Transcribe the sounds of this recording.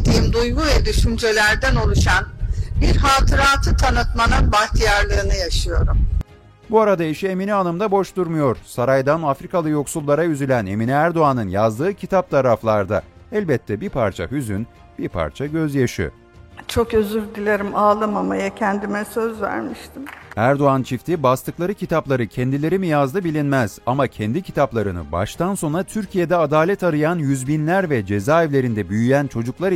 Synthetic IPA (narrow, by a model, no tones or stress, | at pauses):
d̪iimd̪ujɡuvɛd̪yʃynd͡ʒelʲæɾd̪æno̞lˠuʃanbiɾɦaːt̪ʰɯɾaːt̪ʰɯt̪ʰanɯt̪manɯnbaht̪ʰijaɾlˠɯːnɯjaʃɯjo̞ɾum | buaɾad̪aiʃieminianɯmd̪abo̞ʃt̪uɾmujo̞ɾsaɾajd̪anafɾikʰalˠɯjo̞ksulˠːaɾajyzylʲæne̞miniæɾd̪o̞anɯnjazd̪ɯːcʰit̪ʰap̚t̪ʰaɾaflˠaɾd̪a̰ɛlʲbɛt̪ʰːɛbiɾpʰaɾt͡ʃʰa̰ɦyzyn | b̥iɾpʰa̰ɾt͡ʃʰaɟø̞zjaʃɯ̰ | t͡ʃʰo̞køzyɾd̪ilʲeɾimaːlˠɯmamajacʰɛnd̪imɛsø̞zvæ̰ɾmiʃt̪ʰimæɾd̪o̞ant͡ʃʰift̪ʰibast̪ɯklˠaɾɯcʰit̪ʰaplˠaɾɯcʰɛnd̪ilʲe̞ɾimijazd̪ɯbilʲinmɛz̥amacʰɛnd̪icʰi̥t̪ʰaplˠaɾɯnɯ̰ba̰ʃt̪ʰanso̞nɾat̪ʰyɾcʰijed̪ɛad̪aːlʲɛt̪aɾɯjanjyzbinlʲæɾvɛd͡ʒe̞zaːɛvlʲe̞ɾind̪ɛbyjyjænt͡ʃʰo̞d͡ʒuklˠaɾ